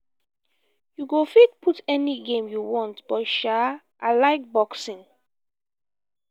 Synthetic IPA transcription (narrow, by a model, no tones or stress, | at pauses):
juɡofid̚pʰutɛniɡẽmjuwɔ̃ntb̥ɔtʃa | ʔalaɪk̚bɔksĩn